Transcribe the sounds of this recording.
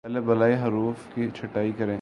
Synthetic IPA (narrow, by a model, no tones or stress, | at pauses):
ɛlebɐlaːiɦɐɾuːfkit͡ʃʰɐʈːaːikɐɾẽː